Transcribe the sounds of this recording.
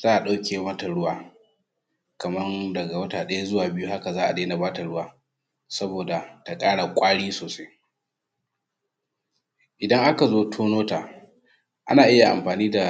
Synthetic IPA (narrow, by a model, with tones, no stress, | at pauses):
z̥aː˦ʔa˨ɗa˦wkʲeː˨mɐ˦ta˨ɽʊ˦waː˨ | kɐ˨mɐ˦ndɐ˨ɡa˨wɐ˦taː˨ɗɐ˦ja˦zʊ˦waː˨bɪ˦ju˦ha˦ka˨zaː˦ʔa˨deː˦na˨baː˦ta˨ɽʊ˦waː˨ | sɐ˦boː˨da˨ta˨kʼaː˦ɽa˨kʷʼaː˦ɽiː˦soː˨sa˦j | ʔɪ˨dɐ˦ŋʔa˦ka˨zoː˦tʰoː˦noː˦taː˨ | ʔa̰˦naː˨ʔɪ˦ja˨ʔa̰˨mɸaː˨niː˦da˨